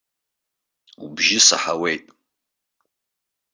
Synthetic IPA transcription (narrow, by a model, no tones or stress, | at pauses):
ubʒɪsa̰ħawejtʼ